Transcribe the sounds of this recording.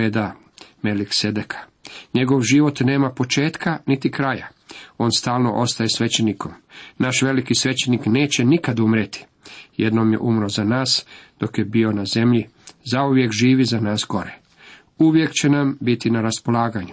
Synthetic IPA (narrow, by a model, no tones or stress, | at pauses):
ed̪a | melikse̞d̪ekʰḁɲe̞ɡo̞ʋʒiʋo̞t̪ne̞ːmapo̞t͡ʃe̞ːt̪kʰanit̪ikɾaja | o̞ːnst̪aːlˠno̞̰ʔo̞st̪aje̞sʋe̞t͡ɕeniko̞mnaʃʋe̞likisʋe̞t͡ɕenikne̞ːt͡ɕe̞nikad̪umɾet̪i̥ | je̞d̪no̞ːmje̞̰ʔumɾo̞zanaːsd̪̥o̞kje̞bio̞naze̞mʎizauʋje̞kʒiːʋizanaːsɡo̞ɾe | uʋje̞kt͡ɕe̞nambit̪inaɾaspo̞laːɡaɲu